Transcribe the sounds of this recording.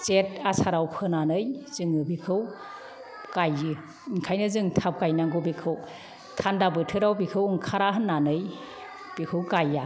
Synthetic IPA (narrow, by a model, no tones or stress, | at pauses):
t͡ʃet̚asʰaɾawpʰɯnanɯjzɯŋɯbikʰɯw | kajɯ | ŋkʰajnɯzɯŋtʰap̚kajnaŋɡobikʰɯw | tʰandabɯtʰɯɾawbikʰɯwɯŋkʰaɾaɦɯnːanɯj | b̥ikʰɯwɡaja